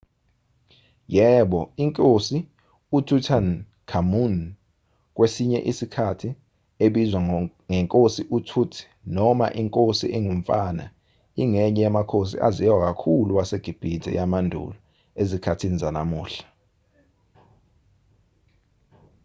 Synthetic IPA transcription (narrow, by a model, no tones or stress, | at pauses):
jɛɓɔiŋkʼosi | utʰutʰan | kʰamun | k̬ʼwesiɲɛ̰ʔisikʰatʰi | eɓizwa | ŋɛŋkʼosiʔutʰutʰi̥nɔma̰ʔiŋkʼosiʔɛŋuɱ̩fana̰ | iŋɛɲɛjamakʰos̬ḭʔa̰zijak̬akʰuluwaseɡ̥ʱib̥ʱid̥ʱɛ̰jamandʱṵlɔ | ezikʰatʰinizana̰muːɬḁ